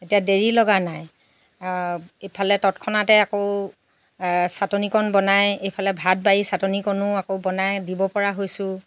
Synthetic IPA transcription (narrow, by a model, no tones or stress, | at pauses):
etijadeɹilɔɡanaj | epʰalɛtɔtkʰɔnatɛakoʊ | satonikɔnbɔnajejpʰalɛbʱat̚bajisatonikɔnʊakoʊbɔnajdibɔpɔɹaɦojsʊ̃